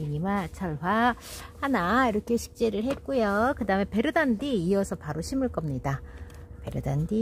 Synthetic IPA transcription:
iɲimat͡ɕʰʌɭwahanaiɾʌkʰe̞ɕʰi̥k̚t͡ɕ͈eɾɯɭɦe̞t̚k͈ujokɯdaɯme̞pe̞ɾɯdandiːʌsʰʌpaɾoɕʰimuɭk͈ʌmɲida | pe̞ɾɯdandi

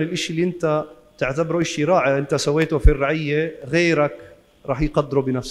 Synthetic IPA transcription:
lɪlʔɪʃʔlːiʔɪnt̪a | t̪ɪʕt̪abɾuʔɪʃiɾˤɑːʕaʔɪnt̪asawːeːt̪ʊfirːɑʕɪjːeɣeːɾak | ɾˤɑːħjqɑd̪ːɾubɪnafs

